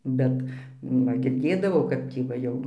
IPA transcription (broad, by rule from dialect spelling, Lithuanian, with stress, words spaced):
ˈbʲɛt nʊ ˈʋɐ ɡʲɪrʲˈdʲeːdɐʋɐʊ ˈkɐp tʲiː ʋɐ ˈjɛʊ